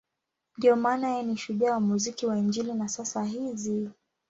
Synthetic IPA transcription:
ndiɔmaːnajɛniʃuʄawamuzikiwaiɲd͡ʒilinasasaɦizi

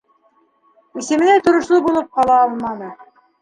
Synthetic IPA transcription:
isɘ̆mɘ̆næt̪ŏɾŏʃlˠɤbulˠɤp̚qɑlˠɑɑlˠmɑnɤ

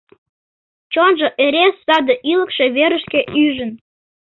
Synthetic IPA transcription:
t͡ɕonʒoʔeɾesːɑd̪əʔiləkʃe̽βeɾəʃkeʔyʒən

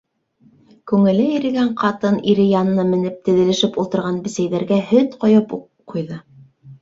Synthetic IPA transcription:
kʉŋɘ̆lɘĭɾɘ̆ɡæɴqɑt̪ɤniɾɘjɑnɤ̆nɤmɘ̆nɘp̚t̪ɘ̆ðɘ̆lɘ̆ʃɘpulˠt̪ɤ̆ɾʁɑnbɘ̆sæjðæɾɡæhɵt̪qŏjɤp | qʰːujðɤ

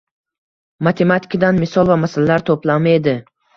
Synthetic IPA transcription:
mat̪ʰe̞mat̪ʰi̥kʰad̪anmɪsɒlˠvamasalalaɾt̪ʰoplamed̪ɪ

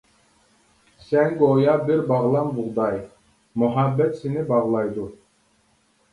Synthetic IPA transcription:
sɛnɡojɑbiɾbɑʁlˠɑnbuʁd̪ɑj | muɦabːɛt̪sinibɑʁlˠɑjd̪u

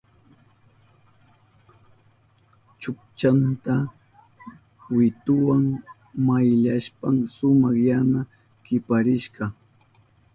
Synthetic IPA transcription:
t͡ʃʊk̚t͡ʃant̪a | wɪt̪ʊwaŋ | majʎaʃpaŋsʊmɑχjana | kɪpaɾɪʃɢɑ

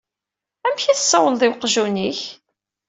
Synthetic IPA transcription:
æmçiθəsːɑwəlðˤɪwqʒuniç

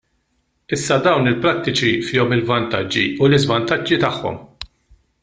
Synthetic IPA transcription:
ɪsːɐd̪ɐwnɪlpɾɐt̪ːɪt͡ʃifɪːɔmɪlvɐnt̪ɐd͡ʒːḭulɪzvɐnt̪ɐd͡ʒːit̪ɐħːɔ̰m

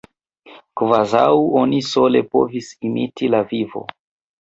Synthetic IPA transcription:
kvazawo̞niso̞le̞po̞̰visimitilavivo̞̰

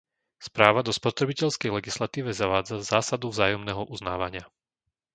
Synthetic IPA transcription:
spɾaːʋad̪ɔspɔt̪ɾɛbicɛʎskɛjlɛɡislat̪iːʋɛzaʋaːd͡zazaːsad̪uvzaːjɔmnɛɦɔʔuzna̰ːʋaɲɪa

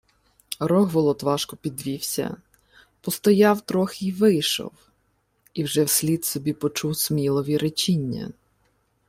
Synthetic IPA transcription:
ɾɔɦʋɔlˠɔt̪ʋɑʃkɔpʲid̪ʋʲiwsʲɐ̰ | pɔst̪ɔjɑwt̪ɾɔxɪʋɪjʃɔ̰w | iwʒɛwsʲlʲid̪sɔbʲipɔt͡ʃuwsmʲilˠɔʋʲiɾet͡ʃinʲːɐ̰

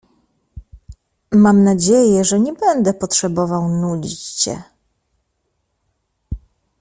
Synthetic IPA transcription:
mamnad͡ʑejɛʐɛɲɛbɛnd̪ɛpɔtʂɛbɔvawnud͡ʑit͡ɕɕɛ̰

